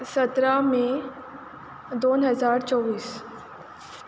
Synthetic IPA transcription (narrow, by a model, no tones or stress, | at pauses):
sət̪ɾamẽ | d̪oːnɦəzaːɾt͡ɕɔʋiːs